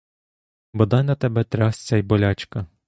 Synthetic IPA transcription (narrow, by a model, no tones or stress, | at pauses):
bɔd̪ɑjnɐt̪ɛbɛt̪ɾʲɑst͡sʲɛjbɔlʲat͡ʃkɐ